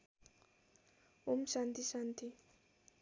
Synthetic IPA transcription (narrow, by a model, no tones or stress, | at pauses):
umsant̪isant̪i